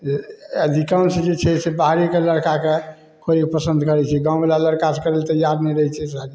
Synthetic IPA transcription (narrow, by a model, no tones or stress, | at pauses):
əd̪ʱikansed͡ʒet͡ʃʰɛsebaɦɾikeləɽkake | kʰoɾikepəsənd̪ʱkəɾɛt͡ʃʰɛɡãwbelaləɾkasekəɾelt̪əjaɾnɛɾəɦɛt͡ʃʰɛsad͡ʒi